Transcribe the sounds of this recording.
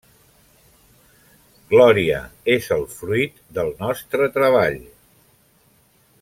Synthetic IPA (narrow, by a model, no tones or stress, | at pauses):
ɡ̥lɔɾiə̰ezəlˠfɾuit̪d̪əlˠnɔst̪ɾət̪ɾəβaʎ